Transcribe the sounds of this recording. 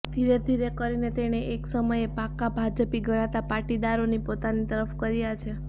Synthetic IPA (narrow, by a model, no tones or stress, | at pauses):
d̪ʱiɾed̪ʱiɾekəɾinet̪eɽ̃eʔeksəməjepakːabʱad͡ʒəpiɡʱəɽ̃at̪apaʈid̪aɾonipot̪anit̪əɾəfkəɾjat͡ʃʰe